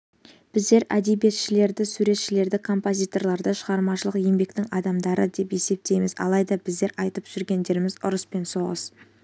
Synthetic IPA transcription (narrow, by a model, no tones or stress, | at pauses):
b̥ɪzd̪e̞ɾæd̪ebije̞t̪ʃɪle̞ɾd̪ɪsuɾe̞t̪ʃɪle̞ɾd̪ɪkʰo̞mpo̞zʲijt̪o̞rɾlˠɑɾd̪əʃəʁɑɾmɑʃəlˠəqje̞mbe̞kt̪ɪŋɑd̪ɑmd̪ɑɾəd̪e̞pe̞se̞p̚t̪e̞jmɪzɑ̰lˠɑjd̪ɑbɪzd̪e̞ɾɑjt̪əpʒ̥ʏɾɡʲe̞nd̪e̞ɾɪmɪzʊ̰ɾəspe̞nso̞ʁə̰s